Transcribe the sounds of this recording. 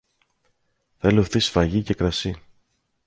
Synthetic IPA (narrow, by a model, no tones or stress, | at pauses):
θeloθisfɐʝice̞kɾɐsi